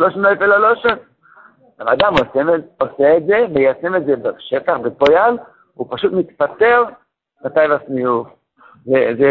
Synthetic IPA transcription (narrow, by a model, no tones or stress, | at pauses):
loʃonoefelaloʃon | aʁad̪amosemoseːtze̞vejasemetzebaʃet̪aχbepojal | upaʃut̪mit̪pat̪e̞ʁ | mat̪ajvasmijuf | zeze